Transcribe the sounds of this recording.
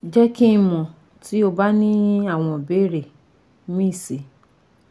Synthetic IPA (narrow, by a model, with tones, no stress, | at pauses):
d͡ʒɛ˦kĩ˦˧˨mɔ̃˨ | ti˨˦o˧ba˦nĩ˦a˦˨w̃ɔ̃˧˨be˨˦˨ɾe˦˨ | mĩ˦˨se˨